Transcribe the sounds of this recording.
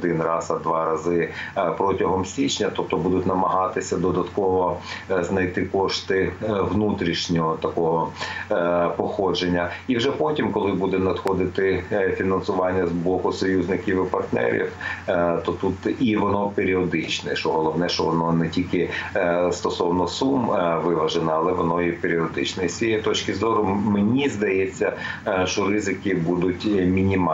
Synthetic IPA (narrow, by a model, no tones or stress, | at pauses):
d̪ɪnrɑsɐd̪ʋɑɾɐzɪpɾɔtʲɐɦɔmsʲit͡ʃnʲɐt̪ɔp̚t̪ɔbud̪ʊtʲnɐmɐɦɑt̪ɪsʲɐd̪ɔd̪ɐt̪kɔʋɔznɐjt̪ɪkɔʃt̪ɪʋnut̪ɾʲiʃnʲɔɦɔt̪ɐkɔɦɔ | pɔxɔd͡ʒenʲːɐiwʒɛpɔtʲimkɔlˠɪbud̪ɛnɐd̪xɔd̪ɪt̪ɪfʲinɐnsʊʋɑnʲːɐzbɔkʊsɔjuzʲnɪkʲiwɪpɐrt̪nɛ̰ɾʲḭwt̪ɔt̪ut̪iʋɔnɔpeɾʲiɔd̪ɪt͡ʃnɛʃɔɦɔlˠɔʋnɛʃt͡ʃɔʋɔnɔnɛtʲilʲkɪst̪ɔsɔwnɔsumʋɪʋɐʒenɐɐlˠɛʋɔnɔjipeɾʲiɔd̪ɪt͡ʃnɛisʲijɛt̪ɔt͡ʃkɪzɔɾʊmenʲizd̪ɐjɛt͡sʲːɐʃt͡ʃɔɾɪzɪkɪbud̪ʊtʲmʲinʲimɑ